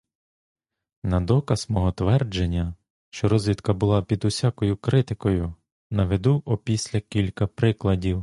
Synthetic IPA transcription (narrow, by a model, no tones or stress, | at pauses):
nɐd̪ɔkɐz̥mɔɦɔt̪ʋɛrd͡ʒenʲːɐ | ʃt͡ʃɔɾɔzʲʋʲit̪kɐbʊlˠɑpʲid̪ʊsʲakɔjʊkɾɪt̪ɪkɔjʊ | nɐʋed̪uʔɔpʲisʲlʲɐkʲilʲkɐpɾɪklˠɐdʲiw